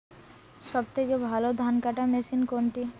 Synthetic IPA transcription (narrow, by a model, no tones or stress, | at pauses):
sɔb̚t̪ekebʱalod̪ʱankaʈamesinkont̪i